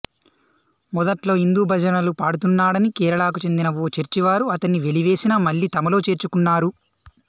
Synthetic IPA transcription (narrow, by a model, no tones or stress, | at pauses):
mɔd̪ɐʈlo̞ːind̪uːbʱɐd͡ʒɐnɐlupaːɽut̪̬unːaːɽɐnikɛːɾɐɭaːk̬ut͡ʃe̞nd̪inɐʋoːt͡ʃeɾt͡ʃiʋaːɾuɐt̪ɐnːiʋe̞liʋe̞ːsinɐːmɐɭːiːt̪ɐmɐlo̞ːt͡ʃe̞ːɾt͡ʃukunːaːɾu